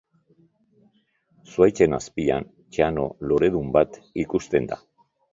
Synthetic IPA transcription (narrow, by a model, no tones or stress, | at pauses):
suajt͡se̞naspia̰n | t͡ʃeano̞̰lo̞ɾe̞ðumbat̪ikust̪e̞nd̪a̰